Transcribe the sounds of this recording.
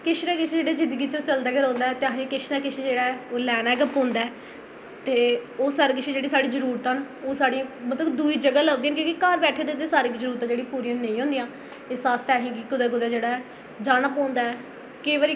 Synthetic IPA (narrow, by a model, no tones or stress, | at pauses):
kɪʃɾɛːkɪt͡ʃʰːd͡ʒeːɽeːzɪ̃nd̪əɡiːt͡ʃõːt͡ʃəld̪aːkəɾɔ̃ːnd̪aːɛt̪eãːɦĩːkɪʃnaːkɪʃʰed͡ʒeːɽaːoːlɛːnaːɡəpɦõːnd̪aɛː | t̪eːoːsaːɾekɪʃʰĩd͡ʒeːɽiːsaːɽiːd͡ʒəɾuːɾt̪ən | oːsaːɽĩmət̪ləbd̪uiːd͡ʒəɡaːlaːd̪iːnkjõːkikaːɾbɛːʈʰeːd̪ed̪eːsaːɾiːkizəɾuːɾt̪ãːd͡ʒeːɽĩpuːɾĩːnẽĩːɦõːnd̪iːjãː | ɪsaːst̪ɛːɦĩːɡikʊd̪aːɡʊd̪aːd͡ʒeːɽaːɛː | d͡ʒaːnapɔ̃ːnd̪aːɛː | keːʋaːɾiː